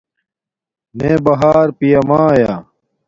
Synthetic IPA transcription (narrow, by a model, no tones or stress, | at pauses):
neːbɐɦaːɾpijɐmãːjaː